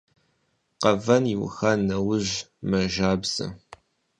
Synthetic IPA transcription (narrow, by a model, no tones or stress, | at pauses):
qɐvɐniwʊ̰xɐnːɐwʊʑmɐʒaːbz̥ɐ̰